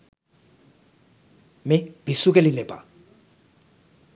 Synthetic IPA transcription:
mɪb̥isukʼɛlɪnɛbʼa̰

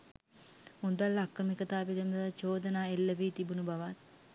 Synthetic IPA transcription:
und̪alːakrəmikət̪aːpilimd̪alat͡ʃoːd̪ənaːelːəʋiːt̪ibunubaʋat̪̚

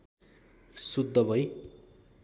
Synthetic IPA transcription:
sud̪ʱːʌbʱʌj

